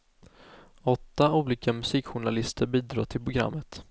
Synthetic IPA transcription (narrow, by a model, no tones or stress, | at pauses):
ɔt̪ːauːliːkamɵsiːkɧʊɳalɪst̪ʰəɾbiːd̪ɾɑ̰ːt̪ʰɪlpʰɾʊɡɾa̰mːət̪